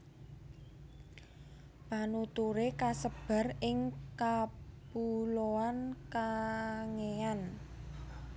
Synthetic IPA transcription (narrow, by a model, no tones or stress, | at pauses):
panut̪uɾekasəb̥a̤rɪŋkapuloankaŋean